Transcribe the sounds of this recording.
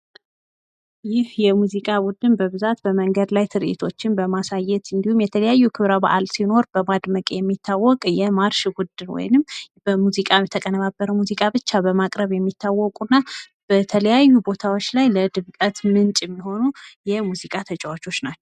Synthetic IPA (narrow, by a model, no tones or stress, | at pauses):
jɪhjɛmuzikʼabud̪ɨnbəβɨzat̪bəməŋɡəd̪lajt̪ʰɨɾʔḛt̪ʰo̞t͡ʃːɪnbəmasajɛt̪ɨnd̪ihumjɛt̪ʰələjajːukʰɨβɾaba̰ʔalsino̞ɾbəmad̪məkʼejɛmːit̪ʰːawːɔkʼjɛmaɾʃɡud̪ːɨnwɔ̰jnɨmːbəmuzikʼajɛt̪ʰəkʼənəβabːəɾəmuzikʼabɨt͡ʃːabəmakʼɾəβjɛmːit̪ʰːawːɔkʼunːa | b̥ət̪ʰələjajːubo̞t̪ʰawot͡ʃːlajləd̪ɨβkʼət̪mɨnt͡ʃʼjɛmːiho̞nujɛmuzikʼat̪ʰət͡ʃʼɛwat͡ʃo̞t͡ʃːnat͡ʃːɛ̥w